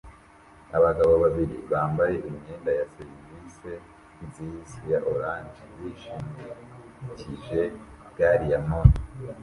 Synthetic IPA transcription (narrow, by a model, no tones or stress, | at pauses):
aβaɡaβoβaβiɾḭβaːmbaje̞ʔimɲeːndajaseɾivise̞ | izisijaʔoɾaːnd͡ʒiβiʃimi | ciʒe̞ | ɡaːɾijamon